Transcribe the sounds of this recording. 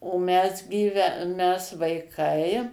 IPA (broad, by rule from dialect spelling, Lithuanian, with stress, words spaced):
oː ˈmʲɛs ɡʲiːˈʋʲɛ ˈmʲɛs ʋɐɪˈkɐɪ